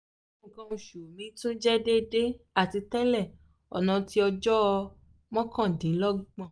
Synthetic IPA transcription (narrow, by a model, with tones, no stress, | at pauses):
ŋ̩˨kã˧ũ˧˨ʃu˨mĩ˨˦tũ˦d͡ʒɛ˦de˦de˦ | a˦˨ti˧tɛ˦lɛ˦˨ | ɔ̰˨nã˧ti˦ɔ˧d͡ʒɔ˦˧ | mɔ̃˦kʰã˦˨dĩ˨˦lɔ˦ɡ͡bã˦˨